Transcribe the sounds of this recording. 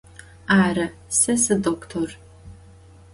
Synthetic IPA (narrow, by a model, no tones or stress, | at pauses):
aːrɐ | sɐsɨdoːktʰor